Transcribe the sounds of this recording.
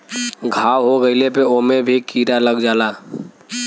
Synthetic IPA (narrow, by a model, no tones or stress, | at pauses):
ɡʱawɦoɡəɪlepeomebʱikiɾaləɡd͡ʒala